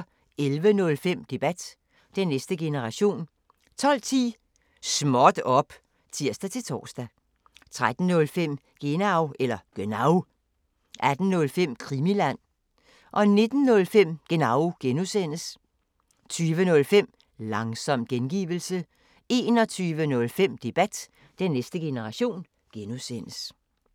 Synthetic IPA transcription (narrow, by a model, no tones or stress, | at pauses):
elʋənɔ̽lfem̰d̥e̝b̥æd̥ | d̥enːesd̥əɡ̥e̝nəʁɑ̈ɕo̝̰ːn | t͡sʰɒ̽l̰t͡sʰḭː | smɒd̥ɒ̽b̥ | t͡sʰiɐ̰sd̥æt͡sʰe̝lt͡sʰɒ̰ːsd̥æ | t͡sʰʁad̥n̩nɔ̽lfem̰ | ɡ̥e̝nɑʊʔelɐɡ̥ønɑ̈ʊ | ʔæd̥n̩nɔ̽lfem̰kʰʁimilæn̰ | ʔɒ̽ne̝d̥n̩nɔ̽lfem̰ɡ̥e̝nɑ̈ʊɡ̥enusen̰əs | t͡sʰyːʋənɔ̽lfem̰ | lɑ̈ŋsɒ̽m̰ɡ̥enɡ̥ḭːʋl̩sə | e̝ːnɒ̽t͡sʰyːʋənɔ̽lfem̰d̥e̝b̥æd̥ | d̥enːesd̥əɡ̥e̝nəʁɑ̈ɕo̝̰ːn | ɡ̥enusen̰əs